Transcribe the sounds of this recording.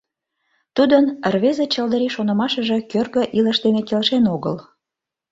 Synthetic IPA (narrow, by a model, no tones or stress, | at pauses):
t̪ud̪ənərβezet͡ɕəld̪əɾiʃonə̆mɑʃə̆ʒĕkørɣə̆ʔiləʃd̪enekelʃenoɣə̰l